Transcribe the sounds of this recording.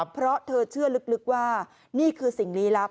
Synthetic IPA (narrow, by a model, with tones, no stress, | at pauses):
pʰɾɔ˦˥t̪ʰɤː˧t͡ɕʰɯ˥˩ɐlɯ˦˥k̚lɯ˦˥k̚waː˥˩ | niː˥˩kʰɯː˧si˨˩ŋliː˦˥la˦˥